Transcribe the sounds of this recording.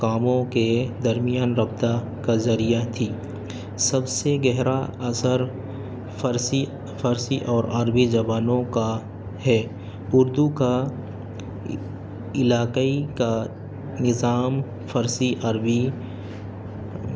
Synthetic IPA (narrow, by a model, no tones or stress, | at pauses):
kaːmõked̪ɐɾmijaːnɾɐbt̪a | kazɐɾijat̪ʰiː | sɐbseɡɛɦɾaɐsəɾ | fəɾsi | fəɾsiʔɔːɾɐɾbid͡ʒɐʋaːnõka | hɛː | ʊɾd̪uka | ɪlaːkaika | nɪzaːm | fɐɾsiʔɐɾbi